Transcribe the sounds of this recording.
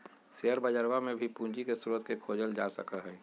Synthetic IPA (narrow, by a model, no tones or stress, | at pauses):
seəɾbəd͡ʒəɾwamẽbʱipũːɲd͡ʒikesuɾuət̪kekʰoːd͡ʒəld͡ʒaːsə̰kəɦɛː